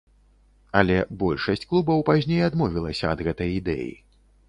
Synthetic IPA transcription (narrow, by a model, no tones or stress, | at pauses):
ɐlʲɛbɔlʲʂɐsʲt͡sʲklˠubɐwpazʲnʲejad̪mɔvʲilˠɐsʲɐɐd̪ɣɛt̪ɐjid̪ɛ̰jḭ